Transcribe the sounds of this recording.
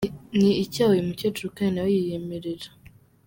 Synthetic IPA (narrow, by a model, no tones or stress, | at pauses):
niːcawjimucetuɾukanawejijemeɾeɾa